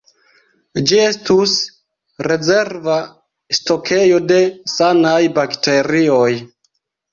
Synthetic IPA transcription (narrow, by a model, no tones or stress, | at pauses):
d͡ʒie̞stus | ɾe̞ze̞ɾva | sto̞kʰe̞jo̞de̞sanajbakte̞ɾio̞j